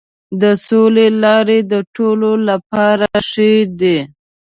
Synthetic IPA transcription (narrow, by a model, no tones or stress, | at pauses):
d̪əsolelɑɾed̪əʈololapɑɾaʃed̪e